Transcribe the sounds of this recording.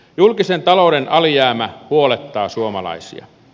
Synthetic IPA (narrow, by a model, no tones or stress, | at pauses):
julkisent̪ɑlodenʔɑlijæːmæhuolet̪ːɑːsuomɑlɑ̰isḭɑ̰